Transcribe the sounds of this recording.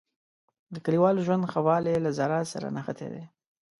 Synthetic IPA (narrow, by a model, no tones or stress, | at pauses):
d̪əkəɽiwɑlʒwand̪xawɑlelazaɾɑsa̰ɾa̰naxat̪ʰḛd̪e